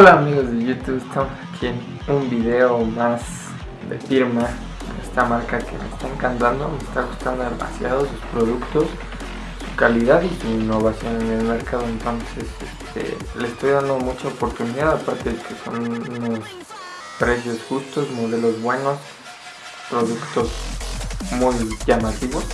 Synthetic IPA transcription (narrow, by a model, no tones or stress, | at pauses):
olaːmiɣozðeʝot̪eɣust̪amosakʰien | umbiðe̞omaz | ðḛfiɾma | ḛst̪amaɾkake̞̰mḛst̪ae̞ŋkant̪and̪o̞mest̪aɣust̪and̪oðe̞mʔa̰sjaðosuspɾo̞ðukt̪o̞s | su̥kaliðaðisuinːo̞βasjo̞nene̞lme̞ɾkaðoent̪o̞nse̞sest̪ḛlesest̪o̞jðand̪o̞mut͡ʃaopo̞ɾt̪uniðaðapaɾt̪e̞ðekʰe̞so̞̰nunos | pɾe̞s̬o̞sxust̪o̞smo̞ðe̞lo̞zβwe̞no̞s | pɾo̞ðukt̪o̞z | mujʝamat̪iβo̞s